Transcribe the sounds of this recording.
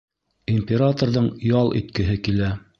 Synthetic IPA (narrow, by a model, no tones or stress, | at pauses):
imʲpʲeɾat̪orðɤɴjɑlˠʔḭt̪kɘ̆ɦɘkilæ